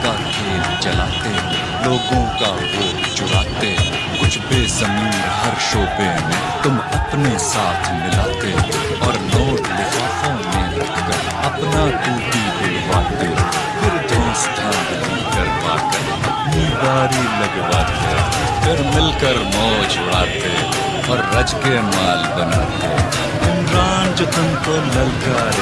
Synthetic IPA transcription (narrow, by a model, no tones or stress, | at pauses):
kakʰeːlt͡ʃɐlaːt̪eɦɛ̃ | loːɡõka | ɦoːkt͡ʃʊɽaːt̪eɦ | kʊt͡ʃʰbeːsəmiːɾɦɐɾʃoːpemẽ | t̪ʊmɐpnesaːt̪ʰmɪlaːt̪eɦ | ɔːɾlõːklɪkʰaːfõnẽʊt̪kəɾ | ɐpnat̪uːt̪ibʊlbaːt̪eɦ | pʰɪɾd͡ʒ̪ʱoːnst̪ʰãːd̪lĩːkɐɾba̰ːkə | ɐpniːbaːɾilɐɡbaːt̪e | pʰɪɾmɪlkəɾmɔːd͡ʒʊɽaːt̪e | ɔːɾːɐd͡ʒkemaːlbɐna̰ːt̪ḛ | ɪ̃nɾaːnd͡ʒt̪ʊmk̪olɐlkaɾ